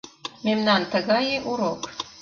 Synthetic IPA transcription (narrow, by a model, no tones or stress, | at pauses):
memnɑnt̪ə̆ɣɑjeʔuɾok